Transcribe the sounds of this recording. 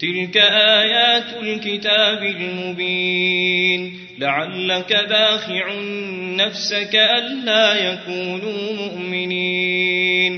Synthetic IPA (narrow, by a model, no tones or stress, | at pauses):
t̪ɪlkaʔaːjaːt̪alkɪt̪aːbɪlmʊbiː | n | laʕalːakad̪aːxɪʕː | afsakaʔalːaːjakuːnuːmʊʔmɪniː | n